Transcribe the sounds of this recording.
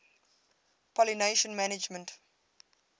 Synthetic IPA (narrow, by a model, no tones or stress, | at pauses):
pɔlineʃə̃nmænɪd͡ʒmə̃nt